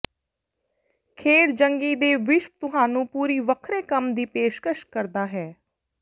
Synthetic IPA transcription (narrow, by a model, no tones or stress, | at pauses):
kʰeːɽd͡ʒəŋɡiːd̪eːʋɪʃʋət̪ʊɦaːnũːpuːɾiːʋəkʰɾeːkəmd̪iːpeːʃkəʃkəɾd̪aːɦɛː